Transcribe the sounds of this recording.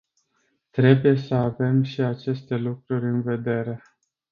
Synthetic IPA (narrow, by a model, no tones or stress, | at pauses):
t̪ɾe̞buje̞səave̞mʃiat͡ʃe̞st̪e̞lukɾurʲɨnve̞d̪e̞ɾe̞